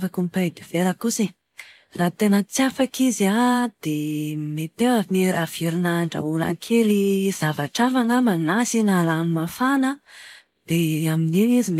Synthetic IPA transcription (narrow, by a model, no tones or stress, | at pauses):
vakumpad̪iv̥eɾəkusi | raːt̪enət͡sjafakiziad̪̥emet̪ewavinirav̥iɾinaɳɖ͡ʐa̰ula̰ŋkʰeliz̥avaʈ͡ʂafaŋamanasinalanimafanə | d̪̥eamininizim